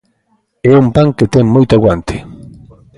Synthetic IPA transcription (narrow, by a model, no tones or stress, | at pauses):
eumpaŋket̪emmojt̪aɣwant̪e̥